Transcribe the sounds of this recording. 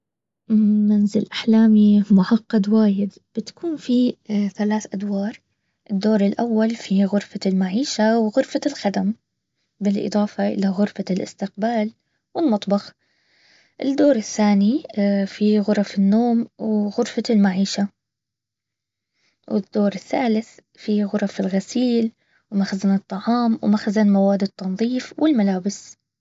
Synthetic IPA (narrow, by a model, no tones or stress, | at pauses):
manzɪlʔaħlaːmimʊʕɑqːɑd̪waːjɪd̪ | b̥ɪt̪ḁkʰuːnfiθalaːθʔad̪wɑːɾˤ | ʔɪd̪ːoːɾˤɪlʔawːalfiɣʊɾfalmaʕiːʃawɣʊɾfalxad̪am | bɪlʔɨ̰d̪ˤɑːfɑʔɪ̰laɣʊɾfalʔɪ̰st̪ɪq̚baːl | wɪlmɑt̪ˤbɑx | ʔɪd̪ːoːɾˤɪθːaːnifiɣʊɾˤɑfɪnːoːmwɣʊɾfalmaʕiːʃa | wɪ̰d̪̥ːoːɾˤɪθːaːlɪθ | fiɣʊɾˤɑfɪlɣasiːl | wmaxzanɨt̪ˤːɑʕɑːmwmaxzanmawaːd̪ːɨt̪ˤːɑnðˤiːfwɪlmalaːbɪs